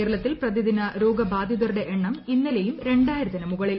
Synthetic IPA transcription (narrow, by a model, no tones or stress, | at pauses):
eːɾɐɭɐt̪ːilprɐd̪id̪inɐɾo̞ːɡɐbaːd̪ʱjɐðɐruɽe̞ʔeɳːɐminːɐlejumɾe̞ɳɖaːjiɾuðɐnɐmuɣɐɭil